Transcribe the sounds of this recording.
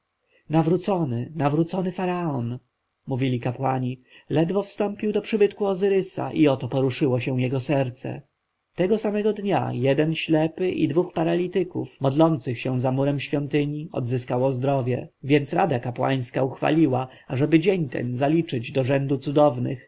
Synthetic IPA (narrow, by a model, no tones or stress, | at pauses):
navɾut̪sɔnɘnavɾut̪sɔnɘfaɾaɔn | muvʲilʲikapwaɲi | lɛd̪vɔfst̪ɔmpʲiwd̪ɔpʂɘbɘt̪kuɔzɘɾɘsa̰ʔiɔt̪ɔpɔɾuʂɘwɔɕɛ̃w̃jɛɡɔsɛɾt̪sɛ̰ | t̪ɛɡɔsamɛɡɔd̪ɲa̰jɛd̪ɛnɕlɛpɘʔḭd̪vuxpaɾalʲit̪ɘkṵfmɔd̪lɔnt̪sɘxɕɛ̃zamuɾɛmɕfʲjɔnt̪ɘɲiɔ̰d̪zɘskawɔzd̪ɾɔvʲjɛ̰vʲjɛnt̪sɾad̪akapwa̰j̃skauxfa̰lʲiwa | aʐɛbɘd͡ʑeɲt̪ɛ̰nzalʲit͡ʂɘd͡ʑd̪ɔʐɛnd̪ut̪sud̪ɔvnɘ̰x